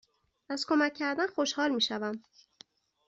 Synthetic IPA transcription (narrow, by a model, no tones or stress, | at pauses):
ʔæzkʰo̞mæcʰːæɾd̪ænxo̞ʃhɒːlmiːʃævæm